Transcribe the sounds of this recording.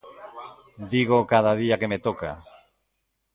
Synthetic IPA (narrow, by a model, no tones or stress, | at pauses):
d̪iɣ̞okaðaðiakemet̪oka̰